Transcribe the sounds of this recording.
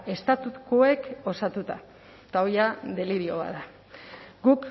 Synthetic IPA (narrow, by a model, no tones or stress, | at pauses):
e̞st̪at̪ukue̞ko̞sat̪ut̪a | t̪aojad̪e̞liɾio̞βa̰ða | ɡuk